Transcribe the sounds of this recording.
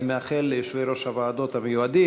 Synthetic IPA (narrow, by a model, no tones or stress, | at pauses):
meaχeleʃviɾoʃhavaːd̪ot̪hamejuad̪i